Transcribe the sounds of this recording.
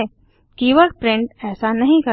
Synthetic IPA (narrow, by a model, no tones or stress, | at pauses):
kiʋək̚pɾɪ̃ɳʈɛːsanɐɦĩkɐ